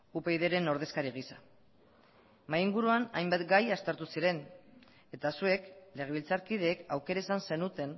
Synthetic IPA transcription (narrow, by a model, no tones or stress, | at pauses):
upe̞jðe̞ɾe̞no̞ɾð̞e̞skaɾiɣ̞isa | majiŋɡuɾuana̰jmbat̪ɡajast̪e̞ɾt̪usiɾe̞n | e̞t̪asue̞kle̞ɣ̞e̞β̞ilt͡saɾkiðe̞ːkawke̞ɾaesanse̞nut̪e̞n